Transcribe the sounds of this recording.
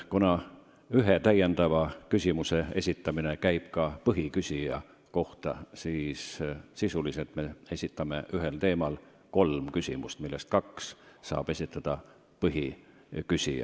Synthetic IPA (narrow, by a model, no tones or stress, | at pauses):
kunɑ | yɦet̪æje̞nd̪̥ɑvɑkysʲimuse̞e̞̰sʲit̪ːˑɑmine̞kæjb̥kɑpɤɦikysʲijɑ | ko̞ht̪ɑsiːssisuliset̪ˑme̞e̞sʲit̪ːˑɑme̞ʔyɦe̞lt̪e̞ːmɑl | ko̞lmkysʲimust̪milːest̪̚kɑksːɑ̰ːb̥e̞sʲit̪ːˑɑd̪̥ɑ | pɤɦi | kysʲiɑ̰